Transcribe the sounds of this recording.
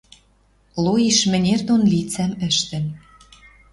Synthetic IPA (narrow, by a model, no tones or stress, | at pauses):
lojiʃmɘ̆nʲerd̪onlit͡sæmɘ̆ʃt̪ɘ̆n